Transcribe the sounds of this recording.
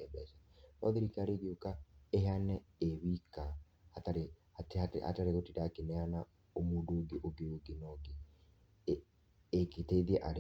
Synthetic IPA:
ɛbɛsanɔ̰ðɪɾikaɾeɡeokaeɦeanɛ | ewika | hataɾe | aa̰taɾeotidakɪnɛana | omudoɡeʔoɡeoɡɪnɔɡe | eketeðieʔaɾ

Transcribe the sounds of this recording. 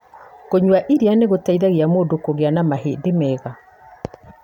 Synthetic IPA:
koɲwaʔiɾianeɣotaiðaɣeamoːdokoɣeanamaɦḛdemɛːɣa

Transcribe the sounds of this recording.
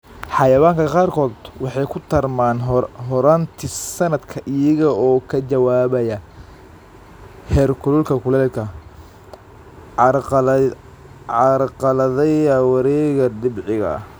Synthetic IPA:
ħɑjɐwaːŋkʰɐqɑːrkʰɔːd̪wɑħɑjkʰʊt̪ʰɐrmaːnɦɔɾant̪ʰɪsɐnɐd̪kʰɐʔɪjɐɣɐɔːkʰɐt͡ʃɐwaːβɐjɐ | hɛrkʰʊlʊlkʰɐkʰʊlɛːlkʰɐ | ɑɾqɑlɐðɛjɐwɑɾɛːɣɐɖɪbʕɪɣɐ̰

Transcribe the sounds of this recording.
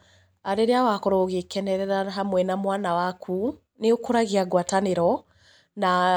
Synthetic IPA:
aɾeɾeawakɔɾɔːɣekɛnɛɾɛɾaɦamwɛnamwanawakʰu | neokoɾaɣeaɡwataneɾɔ | na

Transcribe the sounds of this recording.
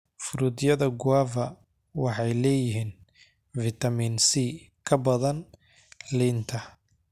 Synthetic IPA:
fʊɾʊd̪jɐðɐɡʊaːvɐ | wɑħɑjlɛːjɪɦiːn | vɪt̪ʰɐmiːnsi | kʰɐbɐðɐn | lɪnt̪ʰɐ

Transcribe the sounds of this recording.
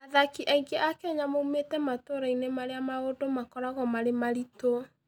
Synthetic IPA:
aðakiʔaiɡeʔakɛɲamoumetɛmatoɾainemaɾeamaodomakɔɾaɣɔmaɾemaɾito

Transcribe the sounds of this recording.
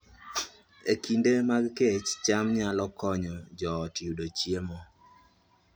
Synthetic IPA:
ekindemaɡket͡ʃt͡ʃamɲalɔkʰɔɲɔd͡ʒɔːtiudot͡ʃjemɔ

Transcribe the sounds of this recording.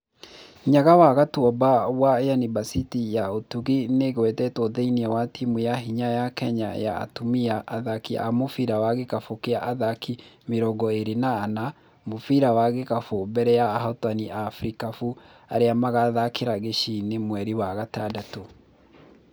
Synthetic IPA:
ɲaɣawaɣatwɔbawajanibasitijaotuɣineɣwɛtɛtoðeiniɛwatʰimujaɦiɲajakɛɲa̰ja̰ːtomiaʔːðakia̰mofiɾawaɣekafokeaʔaðakimeɾɔɡɔeɾenaːna | mofiɾawaɣekafobɛɾɛjaːɦɔtaniʔafɾikafu | aɾeamaɣaðakeɾaɣeʃinemwɛɾiwaɣatadato

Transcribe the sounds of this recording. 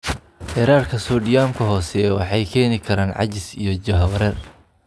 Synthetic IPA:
ħɪɾaːrkʰɐsɔːɖɪjaːmkʰɐɦɔːsɛwɑ̰ħɑjkʰɛːnɪkʰɐɾaːnʕɑ̰t͡ʃɪsijɔd͡ʒɐɦɐwɾɛːr

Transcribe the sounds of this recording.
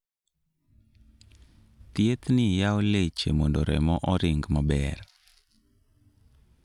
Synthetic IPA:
t̪jet̪nɪjaolet͡ʃḛmondoɾɛ̰mɔʔɔɾɪŋɡmabɛr

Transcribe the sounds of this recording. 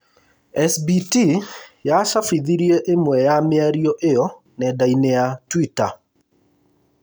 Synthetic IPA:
ɛsbitijaʃafiðiɾjeʔemwɛjamɪaɾioʔejɔ | nɛdaineatwita

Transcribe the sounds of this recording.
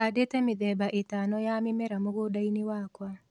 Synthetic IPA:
adetɛmɪd̪ɛbaʔetanɔjamɪmɛɾamoɡodainɪwakwa

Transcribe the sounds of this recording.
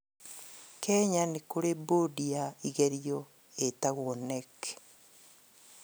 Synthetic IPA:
kʰɛɲanekoɾebodiaiɣeɾjɔ | etaɣwonek

